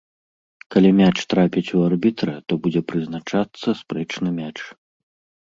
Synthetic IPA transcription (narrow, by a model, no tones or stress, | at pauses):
kalʲimʲat͡ʂt̪ɾapʲit͡sʲuarbʲit̪ɾɐt̪ɔbud͡zʲɛpɾɨznat͡ʂat̪sːɐspɾɛt͡ʂnɨmʲat͡ʂ